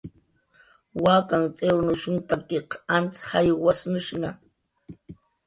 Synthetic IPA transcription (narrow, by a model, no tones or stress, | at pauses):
wakaŋt͡sʼeɾʊnʊʃʊŋpakeqʰant͡shajwasnʊʃŋɑ